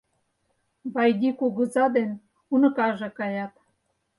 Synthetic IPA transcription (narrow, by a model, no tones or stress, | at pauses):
βɑjd̪ʲikuɣuzɑd̪en | unɤ̆kɑʒekɑjɑt̪